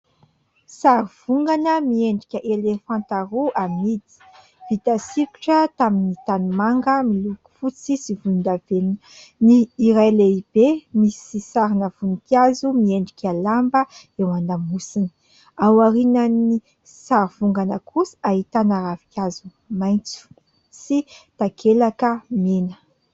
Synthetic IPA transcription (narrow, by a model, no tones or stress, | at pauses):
saɾiv̥uŋɡanəmieɳɖ͡ʐikʲəʔelefãnt̪aɾuamid̪i̥ | v̥it̪asiɾu̥ʈ͡ʂət̪aminit̪anumaŋɡəmiluku̥fut͡sisivuund̪aven | niːɾajleib̥emisisaɾinav̥unikʲazumieɳɖ͡ʐikʲalambə | ewand̪amusini̥ | awaɾinəni | saɾiv̥uŋɡanəkʰusi̥aɦit̪anaɾavi̥kʲazu | majnt͡su̥ | sit̪akʰelakəmenə̥